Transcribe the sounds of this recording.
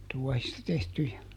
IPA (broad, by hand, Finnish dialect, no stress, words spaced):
tuɔhistɑ tehtyjæ